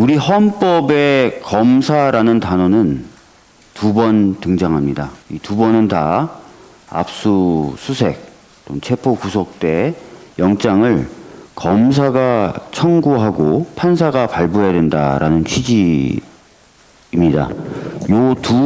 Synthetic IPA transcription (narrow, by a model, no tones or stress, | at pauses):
uɾihʌnp͈ʌbe̞kʌmsʰaɾanɯntanʌnɯn | tubʌntɯŋd͡ʑaŋɦamɲidaitubʌnɯnta̰ | a̰p̚s͈usʰusʰe̞̰k̚ | t͈omt͡ɕʰe̞pʰokusʰok̚t͈e̞jʌŋt͡ɕ͈aŋɯɭkʌmsʰaɡat͡ɕʰʌŋɡoɦaɡopʰans̬ʰaɡapaɭbuɦejadwe̞nda̰ɾanɯnt͡ɕʰɥid͡ʑi | mɲida̰jotu